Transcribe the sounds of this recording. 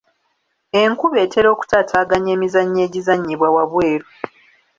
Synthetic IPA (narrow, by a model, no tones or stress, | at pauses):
e̞ŋkuβe̞ːtʰe̞ɾo̞ːku̥taːtʰaːɡaɲe̞ːmizaɲːe̞ːɟizaɲːiβwawaβweːɾo